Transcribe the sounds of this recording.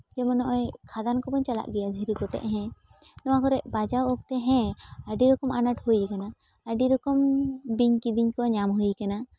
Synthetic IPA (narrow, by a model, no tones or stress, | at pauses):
d͡ʒɛmɔnɔʔɔjkʰad̪ankɔbɔɲt͡ʃala̰ʔɡijad̪ʱiɾikɔʈɛ̰ʔɦɛ̃ | nɔwakɔɾɛʔbad͡ʒawɔk̚t̪ɛɦɛ̃əɖiɾɔkɔmanaʈhujkana | əɖiɾɔkɔmbiɲkid̪iɲkɔɲamɦujkana